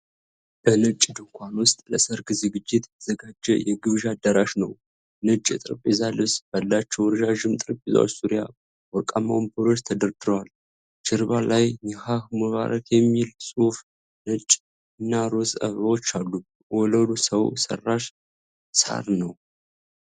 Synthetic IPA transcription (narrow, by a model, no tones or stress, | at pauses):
b̥ənɨt͡ʃʼːd̪ɨŋkʷʰanwʊst̪ʼləsəɾɡzɨɡɨd͡ʒːɪt̪ʰz̥əɡad͡ʒːɛ̰jɛɡɨβʒad̪ːəɾaʃnəw | nɨt͡ʃʼɨt̪ʼɨɾpʼezalɨsb̥alːat͡ʃːɛwɾʒaʒɨmt̪ʼɨɾpʼeza̰wa̰suɾja̰ | wɔkʼama̰wmbɨɾo̞t͡ʃt̪ʰəd̪əɾd̪ɨɾəwal | t͡ʃɨɾβalajjɛhahmuβa̰ɾʔət̪jɛmːilsʼuf | nɨt͡ʃʼ | ɨnːaɾozʼə̰βawot͡ʃːalːu | wɔləd̪usəwsə̰rːaʃ | sa̰ɾnəw